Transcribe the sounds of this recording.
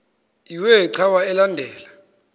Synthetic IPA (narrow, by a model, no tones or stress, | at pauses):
iwɛiǀʰawaɛlandʱɛːla